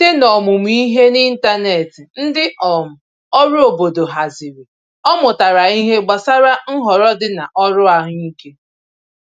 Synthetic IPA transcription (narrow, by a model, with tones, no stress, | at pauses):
te˦nɔ˨mʊ˨m˦i˦ɦe˦ni˦n̩˦ta˦ne˨tɪ˨n̩˦dɪ˦ʔɔ˨mʊ˨ | ɔ˦ɾʊ˦o˨bo˨do˨ɦa˨zi˨ɾi˨ | ɔ˦mʊ˨ta˨ɾa˨i˦ɦe˦ɡ͡ba˨sa˦ɾa˦ŋ̩˦ɦɔ˨ɾɔ˦dɪ˦na˨ʔɔ˦ɾʊ˦a˨ɦʊ˦ɲi˦ke˦